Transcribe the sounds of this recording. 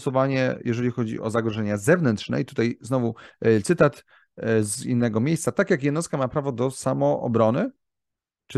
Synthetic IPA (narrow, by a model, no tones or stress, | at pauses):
sɔvaɲɛ̰jʔɛʐɛlʲixɔd͡ʑḭʔɔzaɡɾɔʐɛɲazɛvnɛnt̪ʂnɛ̰it̪ut̪ajznɔvut̪sɘt̪at̪ | zinːɛɡɔmʲjejst̪sat̪akʲjakjɛd̪nɔst̪̚kamapɾavɔd̪ɔsamɔʔɔ̰bɾɔnɘ | t͡ʂ